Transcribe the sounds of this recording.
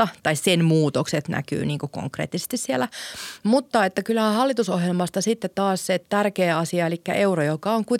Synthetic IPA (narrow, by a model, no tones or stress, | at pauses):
ɑt̪ɑissenmuːt̪okset̪næ̰ky̰ːniːŋkuko̰ŋkrḛːt̪ːise̥st̪issielæmut̪ːɑet̪ːækylːæhæhɑlːit̪usohjelmɑst̪ɑsit̪ːet̪t̪ɑːsset̪ærkeːɑsiɑelikːæ̰ʔeurojokɑoŋkui